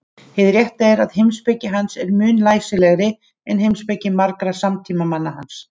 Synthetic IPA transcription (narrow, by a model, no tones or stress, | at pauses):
hɪðɾjɛht̪aɛɾaðhɪmspɛcɪɦansɛɾmʏːnlaːjsɪlɛɣɾɪ | ɛnɦejmspɛcɪmaɾkɾasamt̪ʰiːmamanːaɦans